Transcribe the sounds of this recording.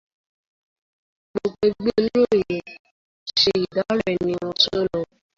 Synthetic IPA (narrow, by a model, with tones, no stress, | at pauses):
ɡ͡bo˨ɡ͡be˧ɡ͡be˦lo˦˨je˨ | ʃe˦˧i˨da˨˦ɾɛ˨nĩ˧w̃ɔ̃˧sɔ˦lɔ˧